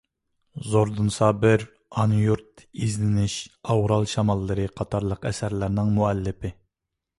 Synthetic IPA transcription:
zoɾd̪unsɑbɪɾ | ɑnjuɾt̪izlɪnɪʃɑwɾɑlˠʃɑmɑlˠːɨɾɨqʰɑt̪ʰɑɾlˠəqɛsæɾlɪɾnɪŋmuɛlːɪpɪ

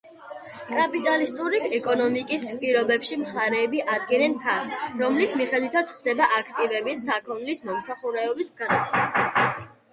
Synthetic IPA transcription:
kʼapʼit̪ʼalist̪ʼuɾiɛkʼɔnɔmikʼispʼiɾɔbɛpʃimχaɾɛːbiʔad̪ɡɛnɛnpʰasɾɔmlismiχɛd̪wit̪ʰat̪sʰχd̪ɛbaʔakʰt̪ʼivɛbisːakʰɔnlismɔmsaχuɾɛɔbisɡad̪at̪sʰa

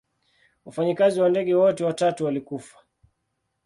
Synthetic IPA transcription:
ufaɲikaziwandɛɠɛwɔtɛwatatuwalikufḁ

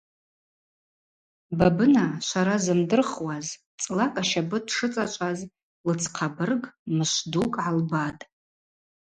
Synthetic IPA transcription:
babɨnaʃʷaɾazɨmdɨrχwaz | t͡sʼlakʼaʃabɨdʂɨt͡sʼat͡ʃʷʼaz | lɨt͡sʰqʰabɨrɡmɨʃʷdukʼʕalbatʼ

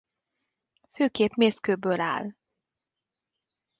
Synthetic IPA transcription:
føːkeːpmeːskøːbøːla̰ːl

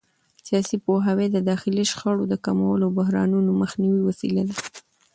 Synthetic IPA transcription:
sijɑsipoɦawed̪əd̪ɑxɪliʃxəɽod̪əkamawəlobʊɦɾɑ̰nunoməxniwiwasḭlad̪a

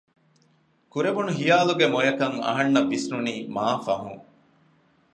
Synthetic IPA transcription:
kuɾeʋunuɦijaːluɡemojɐkɐŋɐ̰ɦɐnːɐbisnuniːmaːfɐɦṵŋ

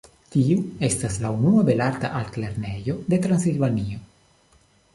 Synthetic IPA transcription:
t̪iuest̪aslaunuabelaɾt̪aʔalkleɾnejod̪e̞t̪ɾansilvanio

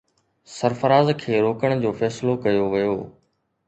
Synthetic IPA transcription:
sɐɾfəɾaːzkʰeːɾoːkəɽ̃d͡ʑoːfɛːsɪlokɐjoʋɪjoː

